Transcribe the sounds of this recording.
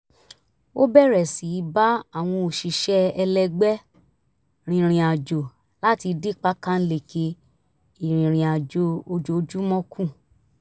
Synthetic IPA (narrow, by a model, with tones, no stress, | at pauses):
o˦bɛ˦˨ɾɛ˨si˨˦ba˦a˦˨w̃ɔ̃˧o˨ʃi˨ʃɛ˦ɛ˧lɛ˧ɡ͡bɛ˦ | ɾ̃ĩ˨˧ɾ̃ĩ˨a˨d͡ʒo˨ | la˦ti˧de˦˨k͡pa˦kã˦n̩˦le˦˨ke˧ | i˨ɾ̃ĩ˨ɾ̃ĩ˨a˨d͡ʒo˨o˧d͡ʒo˧d͡ʒu˦mɔ̃˦kʰũ˦˨